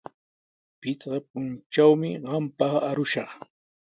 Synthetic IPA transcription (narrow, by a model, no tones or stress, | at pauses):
pɪt͡sɢɑp̚ʊnt͡ʃawmɪɢɑmpɑχaɾʊʃɑχ